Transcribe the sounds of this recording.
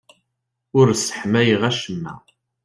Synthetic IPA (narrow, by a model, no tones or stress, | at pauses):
ʊɾsə̥ħmæjəʁæʃəmːæ̰